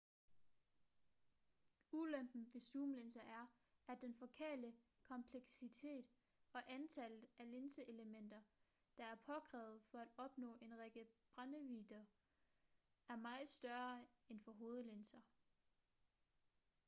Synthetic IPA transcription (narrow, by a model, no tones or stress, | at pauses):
ulømb̥n̩ʋe̝suːmlensɐʔæɐ | æ̥d̥enfɒ̽kʰḛːlə | kʰɒ̽mpʰleɡ̥sit͡sʰe̝̰ːd̥ | ɒ̽ʔænt͡sʰælð̩ˠæle̝nsəʔe̝ləmen̰d̥ɐ | d̥ɑ̈æɐpʰɒ̽kʰʁɛ̰ːʊð̩ˠfɒ̽æd̥ɒ̽b̥nɔ̰̽ːʔe̝nʁeɡ̥əb̥ʁanəʋiːd̥ɐ | æɐmɑ̈ɪð̩ˠsd̥ɶɐenfɒ̽ɦo̝ːð̞̩ˠlensɐ